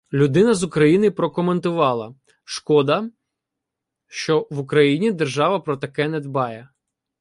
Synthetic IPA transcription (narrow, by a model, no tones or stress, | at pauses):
lʲʊd̪ɪnɐzʊkɾɐjinɪpɾɔkɔment̪ʊʋɑlˠɐ | ʃkɔd̪ɐ | ʃt͡ʃɔʋʊkɾɐjinʲid̪ɛrʒɑʋɐpɾɔt̪ɐkɛnɛd̪bɑjɛ